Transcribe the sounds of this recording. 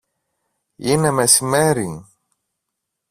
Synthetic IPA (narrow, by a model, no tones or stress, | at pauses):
inemesimeɾi